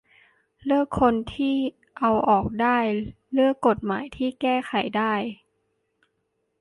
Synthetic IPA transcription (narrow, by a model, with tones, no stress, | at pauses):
lɯ˥˩əkʰːo˧nt̪ʰiː˥˩ | ʔa˧wʔɔː˨˩k̚daː˥˩j | lɯ˥˩əkːo˨˩t̪̚maː˩˦jt̪ʰiː˥˩kɛː˥˩xʰa˨˩˦jdaː˥˩j